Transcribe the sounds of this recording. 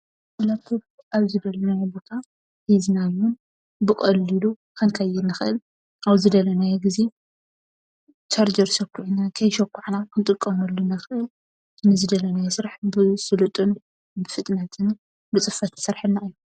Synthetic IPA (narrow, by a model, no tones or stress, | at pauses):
ʔɐlɐt̪ʰub | ʔaβzɨd̪ɐlnajbo̞t̪ʰa | ħiznajwun | bɨkʼɐlːilu | kʰɐnkʰajːɪnɨxɨʔɨl | ʔawzɨd̪ɐlɐnajɛɡize | t͡ʃʰaɾd͡ʒɐɾʃɐkːuʕnakʰɐjʃɐkːuʕnakʰɨnt̪ʼɨkʼːɐmɐlːunɐxɨʔɨl | nɨzɨd̪ɐlɐnajɛsɨɾaħbɨsɨlɨt̪ʼɨn | bɨfɨt̪ʼnɐt̪ʰɨn | bɨt͡sʼɨfɐt̪ʰsɨɾħɨnːaʔɨjːu